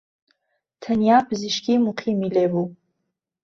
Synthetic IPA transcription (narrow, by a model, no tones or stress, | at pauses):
tʰanjabziʃkʲimuqʰimilebu